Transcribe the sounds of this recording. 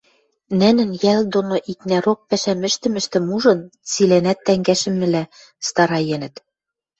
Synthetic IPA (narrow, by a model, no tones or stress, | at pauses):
nɘ̆nɘ̆njæld̪onoʔiknæɾok̚pæʃæmɘ̆ʃt̪ɘ̆mɘ̆ʃt̪ɘ̆muʒɤ̆nt͡silænæt̪ːæŋɡæʃɘ̆mɘ̆læ | st̪ɑɾɑjenɘ̆t̪